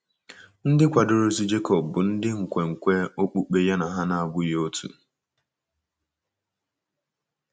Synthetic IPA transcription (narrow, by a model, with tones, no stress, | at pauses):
n̩˦dɪ˦kʷa˨dʊ˨ɾo˦si˦d͡ʒe˦kɔ˨pbʊ˨n̩˦dɪ˦ŋ̩˨kʷe˨ŋ̩˨kʷe˦o˦k͡pu˦k͡pe˦ja˦na˨ɦa˦na˨a˨bʊ˦jo˦tʰṵ˨